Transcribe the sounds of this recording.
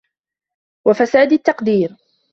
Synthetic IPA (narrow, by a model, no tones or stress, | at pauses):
wafasaːd̪at̪ːɑqd̪iːɾ